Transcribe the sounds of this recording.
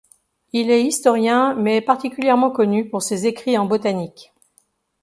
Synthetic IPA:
ilɛist̪ɔʁjɛ̃mɛpaʁt̪ikʲyljɛʁmɑ̃kɔnypuʁsezekχiɑ̃bɔt̪anik

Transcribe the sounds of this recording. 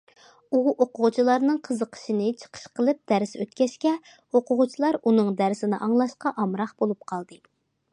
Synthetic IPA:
uoqʊʁʊt͡ʃʰilˠɑɾnɨŋqʰəzəqʰə̥ʃinɨt͡ʃʰə̥qʰə̥ʃqʰəlˠɨp̚d̪̥æɾsøt̪kʲɛʃkʲɛ | oqʊʁʊt͡ʃʰilˠɑɾunɨŋd̪æɾsɪnɪʔɑŋlˠɑʃqɑʔɑmɾɑχb̥olˠup̚qʰɑlˠd̪ɨ

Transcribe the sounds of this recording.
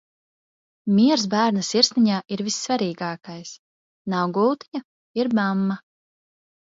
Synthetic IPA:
miɛɾz̬bæːɾnasiɾsnʲiɲaːʔiɾvisːvaɾiːɡaːkajs | nawɡulˠt̪iɲa | iɾmamːa

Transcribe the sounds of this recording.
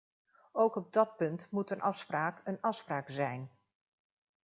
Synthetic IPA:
owkɔb̚dɔt̚pɵntmutənʔɑfspraːkənɑfspraːkzɛjn

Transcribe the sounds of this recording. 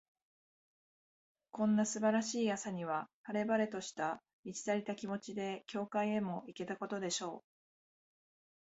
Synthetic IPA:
kõ̞nːasɨbaɾaɕiːjasaɲ̟iβ̞ahaɾe̞baɾe̞t̪o̞ɕi̥t̪a | mit͡ɕi̥t̪aɾʲit̪akʲimo̞t͡ɕid̪e̞kʲo̞ːkaie̞mo̞ike̞t̪ako̞t̪o̞d̪e̞ɕo̞ː

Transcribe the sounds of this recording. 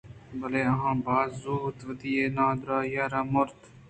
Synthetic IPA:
bəleːɐɦãːbaːzuːt̪ʋəd̪iːeːnãːd̪ɾaːjaːɾaːmʊɾt̪

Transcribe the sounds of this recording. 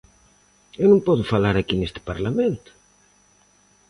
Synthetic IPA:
ewnõmpɔðʊfalaɾakinest̪ɪ̥paɾlamẽnt̪ʊ̥

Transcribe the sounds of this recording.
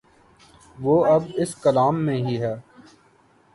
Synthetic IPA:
ʋoːɐbɪskəlaːmːẽɦiɦɛː

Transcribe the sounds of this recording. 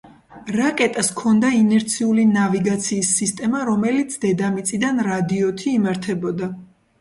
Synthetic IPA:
ɾakʼɛt̪ʼaskʰɔnd̪ainɛɾt̪sʰiulinaviɡat̪sʰiːsːist̪ʼɛmaɾɔmɛlit̪sʰd̪ɛd̪amit̪sʼid̪anɾad̪iɔt̪ʰiːmaɾt̪ʰɛbɔd̪a

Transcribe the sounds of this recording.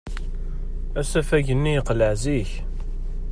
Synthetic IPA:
æsæfæʝənːijəqləʕziç

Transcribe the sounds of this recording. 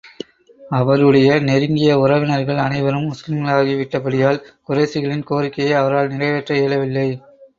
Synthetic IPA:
ɐʋɐɾɯɽɐjɐnɛɾɯŋɡɪjɐʊɾɐʋɪnɐɾɣɐɭɐnɐɪʋɐɾɯmːʊslɪmɡɐɭaːɣiʋɪʈːɐpɐɽɪjaːlkʊɾesɪɣɐɭɪnkoːɾɪkːɐjɐɪɐʋɐɾaːlnɪrɐɪʋɛʈrɐeːɭɐʋɪlːɐɪ

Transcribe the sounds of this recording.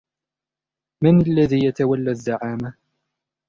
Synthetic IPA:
manalːaðiːjat̪awalːazːaʕaːma

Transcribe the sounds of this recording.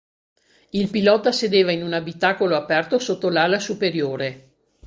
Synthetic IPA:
ilpilɔt̪ased̪eːvainunabit̪aːkoloapɛrt̪osot̪ːolaːlasupeɾjoːɾe

